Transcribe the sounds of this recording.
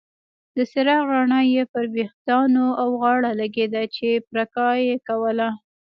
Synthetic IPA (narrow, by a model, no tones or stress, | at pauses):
d̪əsɪɾɑɣɑɳɑjepəɾbext̪ɑnoawɣɑɽalaɡed̪at͡ʃepɾakɑjekawəla